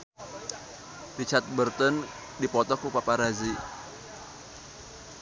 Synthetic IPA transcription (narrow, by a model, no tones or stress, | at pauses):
rit͡ʃart̪̚bərt̪ən | dipɔt̪ɔkupapaɾazi